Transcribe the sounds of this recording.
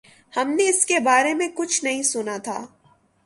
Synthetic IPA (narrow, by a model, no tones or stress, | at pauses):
hɐmneɪskebaːɾemẽkʊt͡ʃʰnɐɦĩsʊnat̪ʰaː